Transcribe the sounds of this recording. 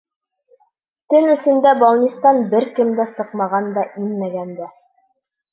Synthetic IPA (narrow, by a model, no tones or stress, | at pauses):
t̪ɵnɵ̆sɘ̆nd̪æbɑlˠnʲist̪ɑnbɘɾkɘ̆md̪æsɤqmɑʁɑnd̪ɑʔinmæɡænd̪æ